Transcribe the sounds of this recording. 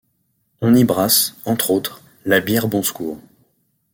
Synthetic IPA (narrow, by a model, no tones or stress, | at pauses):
ɔ̃nibʁasɑ̃t̪χot̪χ | labjɛʁbɔ̃skuːʁ